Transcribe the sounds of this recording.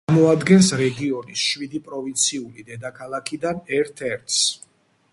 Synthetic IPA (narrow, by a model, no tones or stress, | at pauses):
mɔad̪ɡɛnsɾɛɡiɔnisʃwid̪ipʼɾɔvint̪sʰiulid̪ɛd̪akʰalˠakʰid̪anɛɾt̪ʰɛɾt̪ʰs